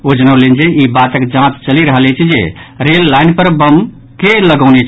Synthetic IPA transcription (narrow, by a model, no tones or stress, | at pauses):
od͡ʒənəwlend͡ʒeibat̪əkd͡ʒãt̪t͡ʃəliɾəɦəlet͡ʃʰid͡ʒḛɾelːaɪnpəɾbəm | keləɡəʊnet͡ʃʰ